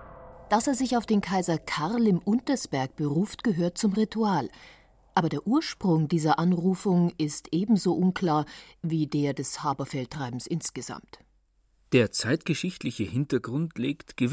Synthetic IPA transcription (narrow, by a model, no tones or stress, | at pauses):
d̥aseːɐzɪçaʊfd̥eːnkʰaɪzɐkʰaʁlɪmʔʊntɐsb̥ɛɐk̚b̥əʁuːftɡ̥əɦøːɐt̚t͡sʊmʁitʰuaːl | ʔaːbɐdeːɐʔuːɐʃpʁ̥ʊŋdiːzɐʔanʁuːfʊŋɪstʔeːbm̩zoːʔʊnkl̥aːɐ | viːdeːɐdɛshaːbɐfɛltʁ̥aɪbm̩sʔɪnsɡ̥əz̥a̰mt | d̥eːɐt͡saɪtɡ̥əʃɪçtlɪçəhɪntɐɡʁʊntleːktɡ̥əv